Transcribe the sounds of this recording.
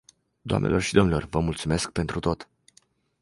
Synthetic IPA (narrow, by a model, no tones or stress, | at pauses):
d̪oʊa̰mnḛlʔo̞rʃid̪o̞mnilo̞̰rvəmult̪sume̞sk̚pe̞nt̪ɾut̪o̞t̪